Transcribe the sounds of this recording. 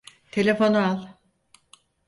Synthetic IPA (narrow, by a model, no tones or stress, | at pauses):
t̪ʰe̞lʲe̞fo̞nualˠ